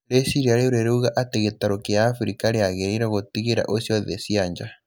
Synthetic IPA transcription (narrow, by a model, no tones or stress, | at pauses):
lesiɾiaɾeuɾeɾeuɣaʔateɣetaɾokeaːfɾikaɾeaɣeɾeɾaɣotiɣeɾa̰ʔosjɔðesiaɲd͡ʒa